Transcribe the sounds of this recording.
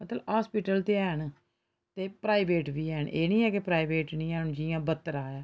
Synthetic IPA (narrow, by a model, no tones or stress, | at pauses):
mət̪ləbhaːspiːʈəlt̪eːɛːɳ | t̪eːpɾaːibeːʈʋiːɛːɳeːnĩːɛːkepɾaːibeːʈnĩːɛnd͡ʒijãːbət̪ːəɾaːaː